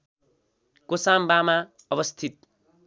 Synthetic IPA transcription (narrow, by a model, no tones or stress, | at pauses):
kosambama | ʌbʌst̪ʰit̪̚